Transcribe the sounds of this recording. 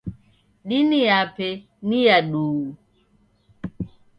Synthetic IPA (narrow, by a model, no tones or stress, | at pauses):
ɗinijapɛ | nijaɗuu